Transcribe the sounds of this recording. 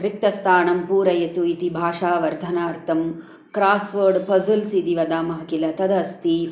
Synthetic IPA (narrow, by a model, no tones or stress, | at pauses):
ɾik̚t̪ɐst̪ʰaːɳɐmpuːɾɐjɐt̪uit̪ibʱaːʂaːʋɐɾd̪ʱɐnaːɾt̪ɐm | kɾaːsʋɐːɾɖpɐzulsid̪iʋɐd̪aːmɐɦɐkilɐt̪ɐd̪ɐst̪i